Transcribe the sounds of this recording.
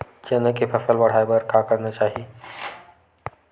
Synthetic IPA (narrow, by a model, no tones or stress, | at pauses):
d͡ʒənəkepʰəfəlʋəɽ̤ajbəɾkakəɾnat͡ɕaɦi